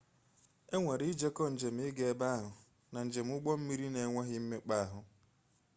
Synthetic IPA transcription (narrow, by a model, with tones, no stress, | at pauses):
e˦ŋʷe˨ɾi˦d͡ʒe˦kɔ˦n̩˨d͡ʒe˨m̩˨˦ɪ˦ɡe˨˦ba˦a˦ɦʊ˨ | na˨n̩˨d͡ʒe˨m̩˦ʊ˦ɡ͡bɔ˦m̩˦mi˦ɾi˦ne˨ŋʷe˦ɦɪ˦m̩˦me˦k͡pa˦a˦ɦʊ˨